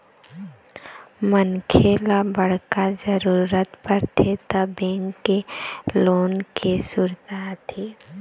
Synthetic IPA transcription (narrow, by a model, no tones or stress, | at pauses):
mənkʰelabəɽ̤kad͡ʒəɾuːɾət̪pəɾʈʰet̪əbẽːŋɡeloːnkʰesʊɾt̪at̪ʰiː